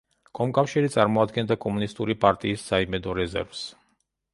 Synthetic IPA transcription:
kʼɔmkʼafʃiɾit̪sʼaɾmɔad̪ɡɛnd̪akʼɔmunist̪ʼuɾipʼaɾt̪ʼiːsːaimɛd̪ɔɾɛzɛ̰ɾvs

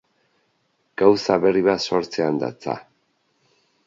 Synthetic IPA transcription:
ɡ̥awsaβe̞riβaso̞ɾt͡seand̪a̰t͡sa̰

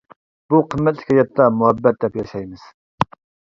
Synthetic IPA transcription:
b̥uqʰəmːɛt̪lɪ̥kʲhɑjɑt̪ʰːɑmuɦɛbːɛt̪̚d̪ɛpjɑʃɑjmɨz̥

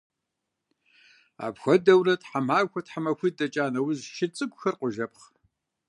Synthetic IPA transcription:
a̰ːpxʷɔdɐwrɐtħamaːxʷɐtħamɐxʷidɐt͡ʃʼaːnɐwʊzʃɪt͡sʼɨɡʷxɐrqʷʊʒɐp̚χ

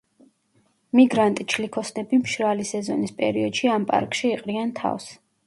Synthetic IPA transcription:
miɡɾant̪ʼit͡ʃʰlikʰɔsnɛbimʃɾalisɛzɔ̰nispʼɛ̰ɾiɔd̪̥ʃiampʼa̰ɾkʼʃiːqʼɾiant̪ʰa̰fs

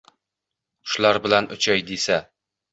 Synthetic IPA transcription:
ʊ̥ʃlaɾbɪlanʊ̰t͡ʃʰajd̪esa

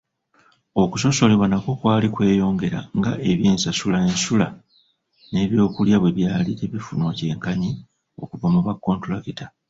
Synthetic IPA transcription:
o̞kuso̞so̞leβwanako̞kwaːlikwe̞ːjo̞ːŋɡe̞ɾa̰ŋɡaʔe̞βjeːnsasulaensula | ne̞ːβjo̞ːkuljaβwe̞βjaːliteβifunwoce̞ːŋkaɲi | o̞̰kuvamuβakːo̞ːntulakita

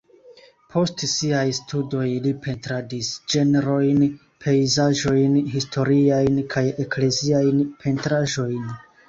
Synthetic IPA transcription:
pʰo̞stsiajstʰudo̞jlipʰe̞ntɾadisd͡ʒe̞neɾo̞jn | pʰe̞izaʒo̞jnɦistʰo̞ɾiajnkʰaje̞kle̞ziajnpʰe̞ntɾaʒo̞jn

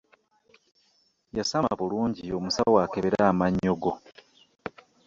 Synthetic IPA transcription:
jasamaβuluːɲɟio̞musawaːkeβeɾaːmaɲːoɡo̞

